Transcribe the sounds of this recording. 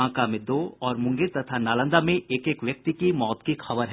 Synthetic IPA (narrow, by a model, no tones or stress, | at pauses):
ãkamɪd̪oːɔːɾmʊ̃ŋɡeɾt̪ɐt̪ʰanaːlə̃nd̪amẽʔeːkeːkʋjɐk̚t̪ikimɔːt̪kixɐbəɾɦɛː